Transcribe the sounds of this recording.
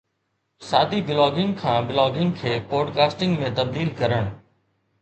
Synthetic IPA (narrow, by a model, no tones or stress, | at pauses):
saːd̪ʱibɪlɔːɡɪ̃ŋɡkʰãːbɪlɔːɡɪ̃ŋɡkʰeːpɔːɖkaːsʈɪ̃ŋɡmẽt̪ɐbd̪iːlkɐɾəɽ̃